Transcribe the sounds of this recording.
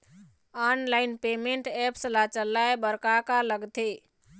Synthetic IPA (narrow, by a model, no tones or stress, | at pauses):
anlajnpemeɳʈɛpslat͡ʃəlːaebəɾkakaləɡt̪e